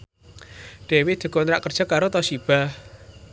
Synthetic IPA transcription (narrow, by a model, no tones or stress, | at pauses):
ɖ̥e̤wɪd̪̥e̤ɡ̥o̤nɾaʔkərd̥ʒ̥a̤kːaɾot̪ɔsib̥ah